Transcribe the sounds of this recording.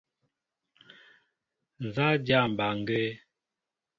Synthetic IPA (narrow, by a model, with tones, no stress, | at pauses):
n˨za˦d͡ʒja˦˨m̩˨ba˨ŋ˨ɡɛ˦